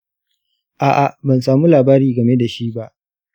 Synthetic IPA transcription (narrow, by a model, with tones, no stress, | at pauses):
ʔaː˨ʔa˨bɐ˨nsaː˨mu˦laː˨baː˦ɾiː˨ɡɐ˨me˦da˨ʃi˦ʔba˦ʔ